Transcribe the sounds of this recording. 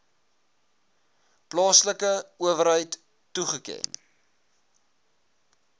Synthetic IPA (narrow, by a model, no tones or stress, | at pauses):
plɑːsləkəuəvəɾɦəjtː | uχəkɛ̰n